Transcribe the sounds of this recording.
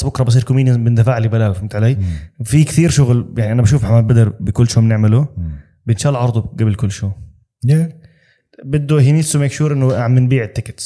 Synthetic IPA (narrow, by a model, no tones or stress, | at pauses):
bʊkɾˤɑbɪs̬ˤiːɾkʊmiːnjanbɪnd̪afaːʕlibalaːwfɪmt̪ʕaleːjfikθiːɾʃʊɣljaʕniʔanabaʃ̬uːfħamaːd̪̚bad̪ɪɾbɪkʊlːʃoːmɪnɪʕmɪlu | bɪnʃaːlʕɑɾˤd̪ˤuɡabɪlkʊlːʃoː | bɪd̪ːuɦiniːsumeːkʃuːɾʔɪnːʊʕamːɪnbiːʕɪt̪ːɪkɪ̥t̪